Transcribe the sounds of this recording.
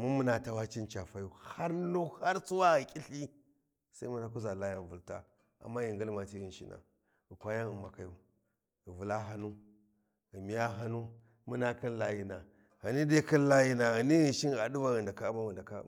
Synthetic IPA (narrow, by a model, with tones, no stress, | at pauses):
mu˦mu˦na˨ta˨˦wa˦t͡ʃi˦nt͡ʃa˨fa˦ju˦ha˦ɾlu˦ha˦ɾt͡su˦wa˦ɣi˨kʲʼi˦ɬi˦ | sa˦i˦mu˦na˨ku˦za˨la˦ja˨n˨vu˨lta̰˦ | a̰˨mːa˦ji˨ŋɡi˦lma˨ti˦ɣi˨n˨ʃḭ˦na̰˨ | ɣi˨kʷa˦ja˦nu˨ma˨ka˨ju˦ | ɣi˨vu˨la˦ɦa˨nu˦ | ɣi˨mi˨ja˦ɦa˦nu˦ | mu˦na˦ki˦nla˦ji˨na˨ | ha˨ni˦de˦ki˦n˦la˦ji˦na˨ɣa˨ni˦ɣi˨nʃi˦n˦ɣa˨du˦va˦ɣi˨nda˨ka˦ma˦wu˨nda˨ka̰˦˨